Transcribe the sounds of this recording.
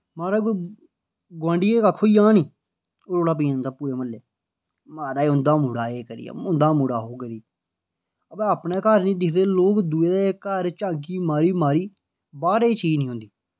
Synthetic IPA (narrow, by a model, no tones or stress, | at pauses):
maːɾaː | ɡwãːɳɖiːeːkakʰːoːiːãːniː | oːɾoːɽaːp̬əiːʊːnd̪aːpuːɾeːməlːeː | maːɾaːeːʊnd̪aːmʊɽaːeːkəɾḭja̰ːʊnd̪aːmʊɽaːɦoːkəɾiː | əpẽːaːpneːkəɾnĩːd̪ɪkʰd̪eːloːkd̪uːeːd̪aːekəɾt͡ʃãːk̬iːmaːɾiːmaːɾiː | baːɾeːt͡ʃiːd͡ʒnĩːɦõnd̪iː